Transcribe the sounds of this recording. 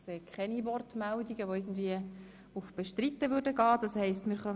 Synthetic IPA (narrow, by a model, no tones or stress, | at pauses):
seːkʰχɛniʋɔrtmældiɡəʋoɪːɡən̩d̪viə | ufb̥ɛʃtɾitːəʋʏɾdəɡɑːd̥ɑshɛɪstmɪːɾχœ